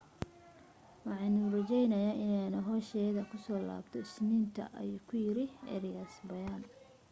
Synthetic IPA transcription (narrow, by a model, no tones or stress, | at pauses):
wɑħɑnurɐt͡ʃɛjnɐjaːʔɪnɛjnɐɦɔːʃɛːðɐkʰʊsɔːla̰ːbt̪ʰɔɪsnint̪ʰɐ̰ʔɐ̰juːkʰʊjɪɾɪʔɛ̰ːɾɪjɐsbɐjaːn